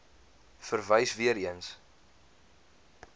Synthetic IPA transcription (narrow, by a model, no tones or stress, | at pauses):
fərvəjsviəɾiəns